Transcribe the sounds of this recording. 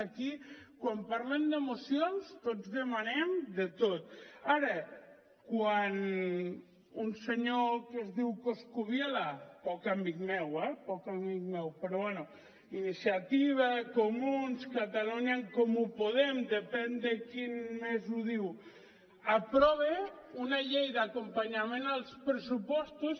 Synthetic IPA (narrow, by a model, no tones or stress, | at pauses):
aki | kwampaɾlemd̪emosjonst̪ozðemanemd̪et̪ot̪aɾe | kwan | unseɲokezðiwkoskuβjelapɔkambikmɛwɛpɔkamik̚mɛwpeɾɔβwɛnu | inisjat̪iβakomunskat̪aluɲaŋkomupoðemd̪epɛnd̪ekinmezuðiw | apɾɔβeunaʎejðakompaɲamẽnalˠspɾesupɔst̪us